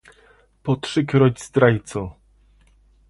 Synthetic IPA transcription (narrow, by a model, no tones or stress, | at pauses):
pɔtʂɘkɾɔd͡ʑizd̪ɾajt̪sɔ